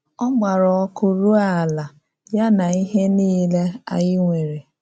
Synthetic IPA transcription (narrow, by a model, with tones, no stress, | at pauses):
ɔ˦ɡ͡ba˨ɾɔ˨ɔ˦kʊ˦ɾu˦a˨la˨ | ja˦na˨i˦ɦe˦niː˦le˦a̰˨jɪ˦ŋʷe˨ɾe˨